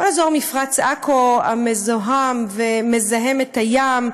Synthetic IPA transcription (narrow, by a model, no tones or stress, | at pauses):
olazoʁmifʁat͡sakʰoamezoɦamveme̞zaɦe̞metajam